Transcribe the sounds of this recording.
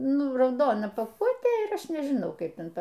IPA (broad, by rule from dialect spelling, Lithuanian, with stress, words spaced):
ˈnʊ rɐʊˈdoːnɐ pɐˈkuɔtʲeː ɪr ˈɐʃ nʲɛʒʲɪˈnɐʊ ˈkɐɪp ˈtʲɛn ˈtɐ